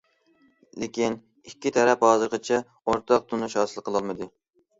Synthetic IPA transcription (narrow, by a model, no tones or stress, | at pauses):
lekʲin | ikʲːit̪ʰɛɾɛphɑːzɨɾqɨt͡ʃʰɛ | oɾt̪ʰɑq̚t̪ʰunuʃhɑːsɨlˠqʰəlˠɑlˠmɨd̪ɨ